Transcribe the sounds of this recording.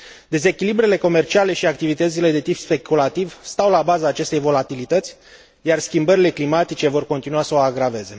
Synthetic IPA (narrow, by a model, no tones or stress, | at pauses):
d̪e̞ze̞kʲilibɾe̞le̞ko̞me̞rt͡ʃiale̞ʃiak̚t̪ivit̪ət̪sile̞d̪e̞t̪ipspe̞kulat̪ivst̪awlabazaːt͡ʃe̞st̪e̞jvo̞lat̪ilit̪ət̪sʲ | jarskʲimbəɾile̞klimat̪it͡ʃe̞vo̞rko̞nt̪inuasəoaɡɾave̞ze̞